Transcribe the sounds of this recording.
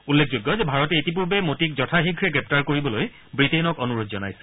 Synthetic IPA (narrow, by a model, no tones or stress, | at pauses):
ulːek̚ʰzoɡːɔzɛbʱaɹɔtɛetip̬uɹbemotik̚zɔtʰaxiɡʱɹɛɡɹɛp̚taɹkoɹibɔloj | bɹitenɔkɔnuɹodzɔna̰jsɛ̥